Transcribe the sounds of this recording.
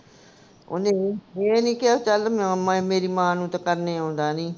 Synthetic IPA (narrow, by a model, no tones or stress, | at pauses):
o̰neːeːniːkɪat͡ʃəlmmmeːɾiːmãːnũːt̪akəɾneːõːnd̪aːniː